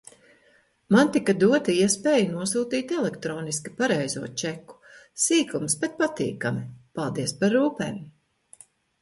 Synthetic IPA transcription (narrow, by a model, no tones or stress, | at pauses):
mant̪ikad̪uɔt̪iiɛspeːjanuɔsuːt̪iːt̪ɛlɛkt̪ɾɔːniskipaɾɛjzuɔt͡ʃɛku̥ | siːkumsbɛt̪̚pat̪ḭːkamipalˠd̪iɛspaɾːuːpḛːm